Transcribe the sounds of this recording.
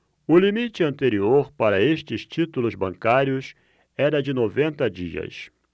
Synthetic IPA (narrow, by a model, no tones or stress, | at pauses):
ʊlimit͡ʃɪɐ̃nt̪eɾioɾpaɾɐeʃt͡ʃɪst͡ʃit̪ulʊzbɐ̃ŋkaɾjʊs | ɛɾɐd͡ʒɪnovẽnt̪ɐd͡ʒḭɐ̰s